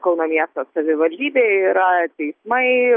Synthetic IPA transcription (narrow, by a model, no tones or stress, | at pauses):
kɐʊnɐmʲiɛst̪ɐsɐʋʲɪʋɐlʲd̪ʲiːbʲeːiɾɐt̪ʲɛɪsmɐɪ